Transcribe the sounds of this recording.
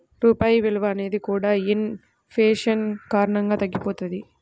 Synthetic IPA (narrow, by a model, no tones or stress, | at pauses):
ɾuːpaːjiʋeɭuʋaːneːd̪ikuːɽaːen | pʰeːʂɐnkaːɾɐɳɐŋɡaːt̪ɐɡːipoːt̪ɐd̪i